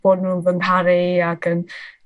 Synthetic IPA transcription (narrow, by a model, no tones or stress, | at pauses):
ɔnunvənaɾiakən